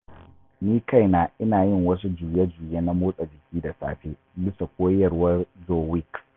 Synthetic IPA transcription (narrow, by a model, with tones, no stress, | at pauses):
niː˦ka˦˨jnaː˨ʔɪ˦naː˨jɪ˦˨ŋwɐ˦s̬u˦d͡ʒuː˨je˦d͡ʒuː˨je˦na˦moː˦sʼa˨d͡ʒɪ˨kʲiː˦da˨sa̰ː˦ɸeː˦ | bɪ˦sa˨kʷoː˦jɐ˨rwɐ˦rzoː˨wɪ˦k